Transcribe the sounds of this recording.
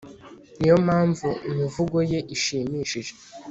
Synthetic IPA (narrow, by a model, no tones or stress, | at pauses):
nijo̞maːɱvuimivuɡo̞je̞ʔiʃiːmiːʃiʒe